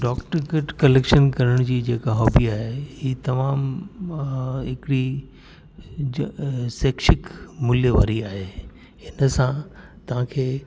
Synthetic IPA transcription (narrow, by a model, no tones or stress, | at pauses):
ɖɔːkʈəɾkeʈkɐleːkʃənkɐɾəɽ̃d͡ʑiːd͡ʑeːkaɦɔːbiaːɦehiːt̪ɐmaːm | ɦɪkɪɽi | seːkʃɪkmʊljəʋa̰ːɾiaːɦeː | hɪnəsã | t̪ɐʋ̤ãkʰeː